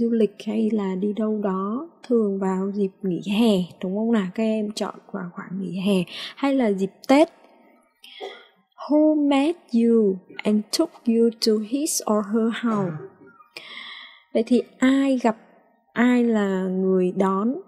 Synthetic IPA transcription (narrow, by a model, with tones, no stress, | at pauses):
zu˧lï˨˩k̚ha˧jlaː˨˩ɗi˧ɗə˧wɗɔ˨˦t̪ʰɨ˨˩əŋvaː˨˩wzi˨˩p̚ŋi˧˩ɦɛ˨˩ɗə˨˦ŋ͡mʔə˧wŋ͡mnaː˨˩kaː˦˥k̚ʔɛ˧mt͡ɕɔ̰˧˨nvaː˨˧˩xwaː˧˩ŋŋḭ˧˩ɦɛ˨˩ha˧jlaː˨˩zi˨˩p̚t̪e˦˥t̚ | hu˧mɛ˦˥t̚zu˧ʔɛ˧ntʰʊ˦˥k̚ju˧tu˧hi˦˥sʔɔ˧˩ɦəː˧ha˨˧˩w | və̰˧˨jt̪ʰi˨˩ʔaː˧jɣa˨˩p̚ | ʔaː˧jlaː˨˩ŋɨ˨˩əjɗɔ˨˦n